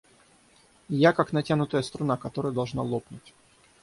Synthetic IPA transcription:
jakaknɐtʲanʊt̪əjəst̪ɾʊnakɐt̪oɾəjəd̪ɐlˠʐna̰lˠopnʊtʲ

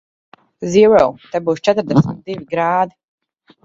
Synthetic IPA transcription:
ziwɛwt̪ɛbuːst͡ʃɛt̪ɾd̪ɛsmit̪̚d̪ivʲiɡɾaːd̪i

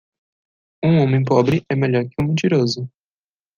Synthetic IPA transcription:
ũõmẽj̃pɔbɾɪʔɛmeʎɔɾkɪũmẽnt͡ʃiɾozʊ

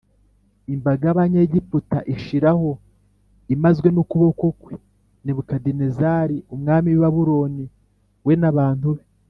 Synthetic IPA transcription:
imbaɡaaβaɲe̞ːɟiputaʔiʃiɾaho̞ | imazɡwe̞nukuβokokwe | niβukadinezaːɾiumŋaːmiwiβaβuɾo̞ni | we̞naβaːn̥uβe

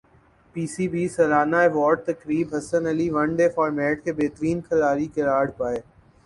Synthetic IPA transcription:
piːsiːbiːsɐlaːnaeʋɔːɾɖ̚t̪ɐkɾiːbɦɐsənɐliʋɐ̃ɳɖeːfɔːɾmɛːʈkebeːt̪ɾiːnkʰəɾaːɾikeɾaːɽpaːeː

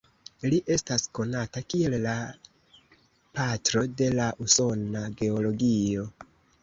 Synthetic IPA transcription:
liʔe̞stasko̞natakie̞lla | patɾo̞de̞laʔuso̞naɡe̞o̞lo̞ɡio̞

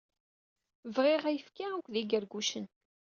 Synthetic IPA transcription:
vʁiʁæjəfkaukʷðiɡəɾɡuʃən

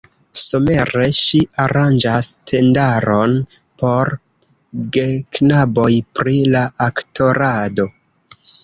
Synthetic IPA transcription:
some̞ɾe̞ʃiaɾand͡ʒastʰe̞ndaɾo̞n | po̞ɾ | ɡe̞knabo̞jpɾilaʔaktʰo̞ɾado̞

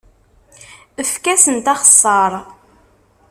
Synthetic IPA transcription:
əfkæsənt̪ɑχə̥sˤːɑɾˤ

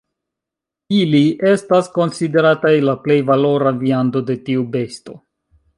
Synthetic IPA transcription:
iliʔe̞stasko̞nside̞ɾatajlaple̞jvalo̞ɾaviando̞de̞tiube̞sto̞

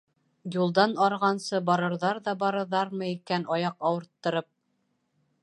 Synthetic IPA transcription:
julˠd̪ɑnɑɾʁɑnsɤbɑɾɤ̆ɾðɑɾðɑbɑɾɤ̆ɾðɑɾmɤikænɑjɑqɑwɤ̆ɾt̪ːɤ̆ɾɤp̚

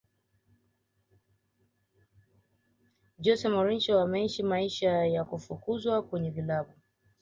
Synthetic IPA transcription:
d͡ʒɔsɛmɔɾit͡ʃɔwamɛiʃimaiʃajakufukuzwakwɛɲɛvilaɓu

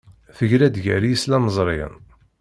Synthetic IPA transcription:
θəʝɾæd̪ʝæ̰ɾijəslæməzˤɾˤeə̰n

